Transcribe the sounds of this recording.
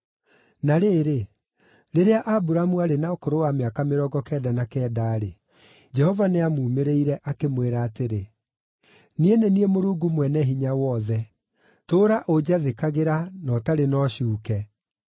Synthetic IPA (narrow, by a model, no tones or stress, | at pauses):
naɾeːɾe | ɾeɾeaʔabuɾamuaɾenaokoɾowameakameɾɔɡɔkɛdanakɛːdaːɾe | d͡ʒɛhɔvaneamuːmeɾeiɾɛʔakemweɾaːteɾe | nieneniemoɾuɡumwɛnɛɦiɲawɔðɛ | toːɾaʔod͡ʑaðekaɣeɾanɔtaɾenɔɕuːkɛ